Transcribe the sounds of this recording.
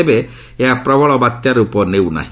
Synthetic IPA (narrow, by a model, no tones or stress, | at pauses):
ebe | eɦapɾɔbɔɭɔbat̪jaɾupɔnewna̰ɦi